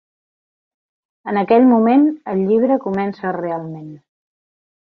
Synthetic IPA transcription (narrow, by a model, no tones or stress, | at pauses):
ənəkɛʎmumenəʎʎiβɾəkumɛnsərealˠmen